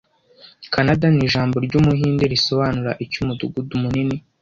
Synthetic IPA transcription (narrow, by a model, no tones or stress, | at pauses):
kʰanadaniʒaːmbo̞ɾɟumuɦiːndeɾiso̞βanuɾaʔicumuduɡudumunini